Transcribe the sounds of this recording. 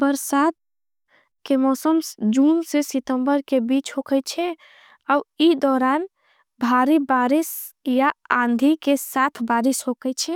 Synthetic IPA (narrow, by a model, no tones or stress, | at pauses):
bəɾsat̪̚ | kemɔsəmsd͡ʒunsesit̪əmbəɾkebit͡ʃɦokɛjt͡ʃʰɛ | auid̪ɔɾan | bʱaɾibaɾis | jaãnd̪ʱikesat̪ʰbaɾisɦokəjt͡ʃʰɛ